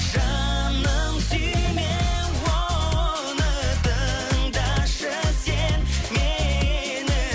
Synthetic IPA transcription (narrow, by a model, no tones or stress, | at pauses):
ʒɑnəmsyme | wo | nət̪ʰə | ŋd̪ɑʃəsenme | nɪ